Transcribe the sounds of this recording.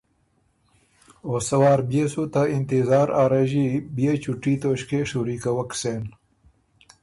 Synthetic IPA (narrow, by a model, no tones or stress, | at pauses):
osɐwɑːɾbjesut̪aɪnt̪izaːɾaːɾɐʑibijet͡ɕuʈit̪oɕkeʂuɾikɐwɐkseːn